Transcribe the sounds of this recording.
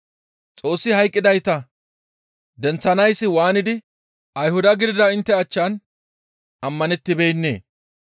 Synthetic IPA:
t͡sʼo̞ːsːɪhɐjkʼːɪd̪ɐjt̪ɐ | d̪ɛnt͡sːɐnɐjsːɪwaːnɪd̪ɪ | ʔɐjhʊd̪ɐɡɪd̪ɪd̪ɐɪnt̪ːɛɐt͡ʃːan | ʔɐmːɐnɛt̪ːɪbejnːe̞̰ː

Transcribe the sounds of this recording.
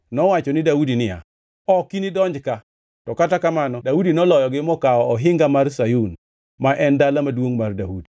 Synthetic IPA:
nɔwat͡ʃɔnɪdaudinɪja̰ | ɔkinɪdɔɲd͡ʒka | tɔkatakamanɔdaudinɔlɔjɔɡɪmɔkaɔɔɦɪŋɡamarsajun | maʔɛndalamadwoŋmardaudi

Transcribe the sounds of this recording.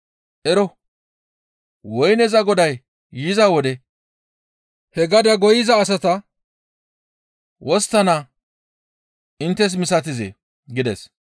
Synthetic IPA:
ʔɛɾɔ | wɔjnɛzɐɡɔd̪ɐjː | ɪzɐwɔd̪ɛ | hɛɡɐd̪ɐɡɔjɪzɐːs̬ɐt̪ɐ | wɔst̪ːɐna | ʔɪnt̪ːɛs̬mɪsɐt̪̬ɪzḛː | ɡɪd̪ɛs

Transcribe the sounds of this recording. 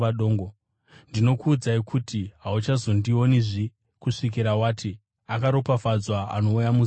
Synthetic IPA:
aɗoːŋɡo | ndino̞kuːd͡zaikʰutiɦaut͡ʃazo̞ndio̞niʐi | kuʂik̬iɾawaːtʰi | akaɾo̞pafad͡zwaa̰no̞ujamu

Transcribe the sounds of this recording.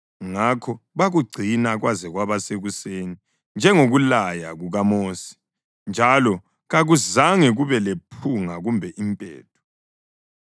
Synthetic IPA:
ŋakʰɔβaɣuɡ͡ǀʱinaɣwazɛɣwaβaseɣuseːni | nd͡ʒʱɛŋoɣulajaɣuɣamoːsi̥ | nd͡ʒʱalɔ | ɣaɣuzaŋɛɣuβɛlepʰuŋaɣumbʱɛʔimpʼɛ̰ːtʰɔ̥

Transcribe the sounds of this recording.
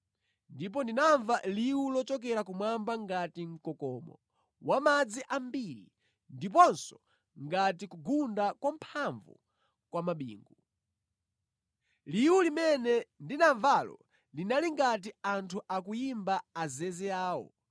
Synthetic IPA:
ndip̬ɔndinaɱvaliwulɔt͡ʃɔk̬ɛɾakumwambaŋɡatiŋ̩kɔkɔːmɔ̰ | wamad͡ziʔambiɾi | ndip̬ɔnsɔ̥ | ŋɡatikuɡundakwampʰaɱvṵ | kwamaɓḭːŋɡu | liwulimɛnɛndinaɱvalɔ̰ | linaliŋɡat̬iantʰuʔakujimbaːzɛzɛaːwɔ̰

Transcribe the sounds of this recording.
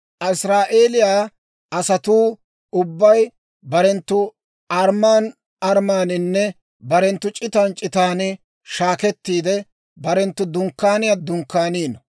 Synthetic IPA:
ʔɐɪsɾaːʔe̞ːlɪjaː | ɐsɐt̪uː | ʊbːɐj | bɐɾɛnt̪ːʊ | ʔɐɾmaːn | ɐɾmaːnɪnːɛ | bɐɾɛnt̪ːʊt͡ʃʼɪt̪aːnt͡ʃʼɪt̪aːnɪ | ʃaːkɛt̪ːiːd̪ɛ | bɐɾɛnt̪ːʊd̪ʊŋkːaːnɪjaːd̪ʊŋkːaːniːnɐ

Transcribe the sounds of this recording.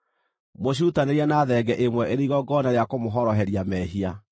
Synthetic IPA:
moɕ̬utaneɾianaːðɛɡɛʔemwɛeɾeiɣɔɡɔnaɾeakomoɦɔɾɔɦɛɾiamɛːɦia

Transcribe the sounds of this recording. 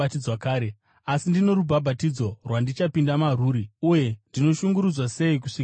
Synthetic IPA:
tid͡zwakaːɾe | asindino̞ɾubʱabʱatid͡zo̞rwandit͡ʃapindamaruːɾiuje̞ndino̞ʃuŋɡuɾud͡zwase̞ik̬uʂik

